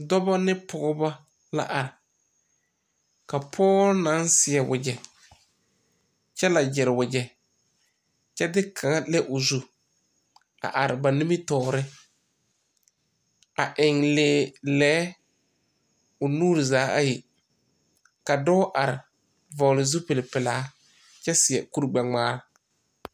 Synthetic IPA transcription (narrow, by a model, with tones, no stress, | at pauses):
dɔ˦ba˦nɪ˦pʰʊ˨ɣʊ˦ba˦ | la̰˦ʔa˨ɾɪ˨ | ka˨pʰɔː˦na˨˦nsɪ˨ɛ˨wʊ̰˨d͡ʒɛ˨ | t͡ʃɛ˦la˨d͡ʒɪ˨ɾɪ˨wʊ˨d͡ʒɛ˨ | t͡ʃɛ˦dɪ˦kʰa˨ŋa˦lɛ˦ʔʊ˨zu˦ | a̰˨ʔa˨ɾɪ˨ba˨ni˦mi˦tɔː˨ɾɪ˦ | a˨ʔɪ˨ŋleː˨˦˨lɛː˦ | ʊ˨nuː˦ɾɪ˨zaː˨˦a̰˦jɪ˨ | ka˨dɔ˦ʔa˨ɾɪ˨ | vɔ˨lɪ˨zu˦pe˨lɪ˨pɪ˨laː˦ | t͡ʃɛ˦sɪ˨ɛ˨ku˦ɾɡ͡bɛ˨ŋ͡maː˦ɾɪ˨